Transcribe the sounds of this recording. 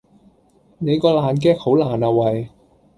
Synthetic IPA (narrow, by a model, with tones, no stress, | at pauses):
ne˨˧kɔː˧laː˨nk̬ɛː˥k̚ho˨˥wlaː˨˩naː˨wɐ˨j